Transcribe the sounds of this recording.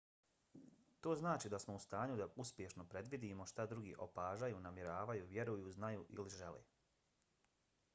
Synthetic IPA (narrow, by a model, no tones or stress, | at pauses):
t̪o̞ːznaːt͡ʃid̪asmo̞ust̪aːɲud̪auspʲjeʃno̞pɾe̞d̪ʋid̪imo̞ʃt̪ad̪ɾuɡḭːʔo̞paːʒajuːnamjeɾaːʋajuːʋje̞ɾujuːznajuːʔḭliʒe̞lḛː